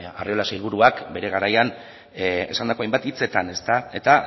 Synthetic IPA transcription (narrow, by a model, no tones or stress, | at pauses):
a̰rio̞lasailβ̞uɾuakbe̞ɾe̞ɣ̞aɾajan | e̞̰sand̪ako̞ajmbat̪it͡se̞t̪ane̞st̪ae̞t̪a